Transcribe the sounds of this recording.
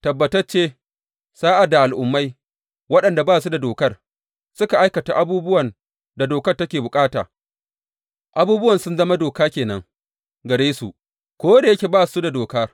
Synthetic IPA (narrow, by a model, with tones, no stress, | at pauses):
tɐ˨bːɐ˨tɐ˦rt͡ʃeː˦ | saː˦ʔa˨da˨ʔa˨lʔʊ˨mːa˦j | wɐ˦ɗɐ˨nda˨baː˦su˦da˨doː˨kɐ˦r | sʊ˦ka˨ʔa˦jkɐ˨ta˨ʔa˦buː˦bʊ˦wɐ˨n | da˨doː˨kɐ˦rtɐ˦kʲeː˨bʊ˨kʼaː˦ta̰ː˨ | ʔa˦buː˦bʊ˦wɐ˨nsʊ˦nzɐ˦ma˦doː˨kaː˦kʲeː˨nɐ̰˦ŋ | ɡɐ˨ɽeː˦su˨ʔ | kʷoː˦da˨jɐ˦kʲe˨baː˦˨su˦da˨doː˨ka˦